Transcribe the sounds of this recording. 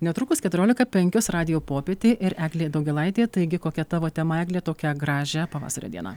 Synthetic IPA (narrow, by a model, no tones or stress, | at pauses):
nʲɛt̪ɾʊkʊskʲɛt̪ʊɾʲoːlʲɪkɐpʲɛŋʲkʲosrɑːd̪ʲɪjoːpoːpʲeːt̪ʲeːʔɪɾæːɡlʲeːd̪ɐʊɡʲɛlˠɐɪt̪ʲeːt̪ɐɪɡʲɪkoːkʲɛt̪ɑːʋoːt̪ʲɛmɐæːɡlʲeːt̪oːkʲɛɡɾɑːʒʲɛpɐʋɑ̰ːsɐɾʲo̰d̪ʲiɛnɑ̰ː